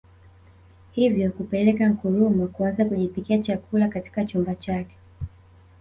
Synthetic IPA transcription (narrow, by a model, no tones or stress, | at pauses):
hivjɔkupɛlɛkaŋ̩kuɾumɔkuanzakuʄipikiat͡ʃakulakati̥kat͡ʃumbat͡ʃakɛ̥